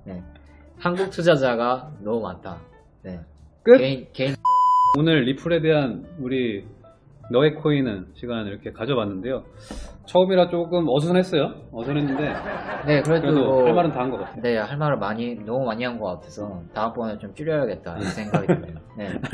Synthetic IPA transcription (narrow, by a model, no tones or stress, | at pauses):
ne̞ | hanɡuk̚tʰud͡ʑad͡ʑaɡanʌmumantʰa | ne̞kekeinkeinonɯɭːipʰuɾe̞de̞ɦanuɾiː | ʌekʰoinɯnɕʰiɡaniɾʌkʰe̞kad͡ʑʌbanːɯnde̞jot͡ɕʰʌɯmiɾat͡ɕ͈oɡɯmʌs̬ʰʌnɦe̞s͈ʌjoʌsʰʌnɦenːɯnde̞ne̞kɯɾeeoohaɭmaɾɯntaɯnɡʌk͈atʰene̞haɭmaɾɯmaɲinʌmumaɲiɦanɡʌk͈atʰesʰʌtaɯmp͈ʌnɯɭt͡ɕomt͡ɕ͈uɾjʌjaɡe̞t̚t͈aiɯsʰeŋɡaɡiɯeone̞